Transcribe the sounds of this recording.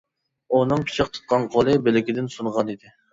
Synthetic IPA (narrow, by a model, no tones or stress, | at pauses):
unɨŋpʰi̥t͡ʃʰəqt̪ʰɨ̥t̪̚qʰɑnqʰolˠɨbɪlɪkʲɪd̪ɪnsunʁɑnid̪ɪ